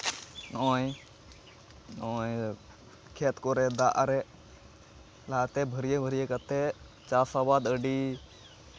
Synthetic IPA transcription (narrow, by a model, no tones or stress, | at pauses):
noːĩ | noĩ | kʰeːt̪koɾed̪aʔaɾe | laːt̪ebʱəɾijebʱəɾijekət̪e | t͡ʃaːsabaːd̪əɖi